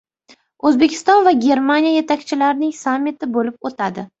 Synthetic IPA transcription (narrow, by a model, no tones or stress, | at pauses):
ɵzbe̞kʲʰɪ̥st̪ɒnvaɡʲe̞ɾmanijaje̞t̪ʰakʲt͡ʃʰɪlaɾnɪŋsamːɪt̪ʰɪbolɪp̚ot̪ʰad̪ɪ